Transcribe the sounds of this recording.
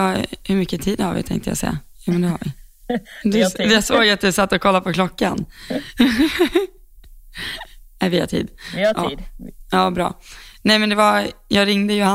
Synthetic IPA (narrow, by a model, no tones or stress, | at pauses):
hɵɾmʏkːət̪ʰiːd̪haɾvɪ̰t̪ʰɛ̰̃ŋkt̪əja̰sɛ̰jːa̰juːmɛnd̪ɛhaɾvɪ | d̪ɛd̪ɛjasoːɡjat̪̚d̪ɛsat̪ːɔkʰɔlːapɔkʰlɔkːan | nɛvɪha̰ʈʰḭːd̪ʔɑ̰ːɑːbɾɑ̰ːnɛjmɛnd̪ɛvajɑːɡɾɪŋd̪əjʊha